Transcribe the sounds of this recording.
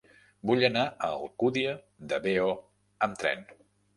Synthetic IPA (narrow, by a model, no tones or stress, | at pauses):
buʎənaʔəːlˠkuðiə | d̪əbeo | əmt̪ɾɛ̰n